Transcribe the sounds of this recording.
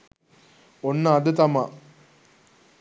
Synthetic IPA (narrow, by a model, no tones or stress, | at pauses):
onːəːd̪ət̪ɐma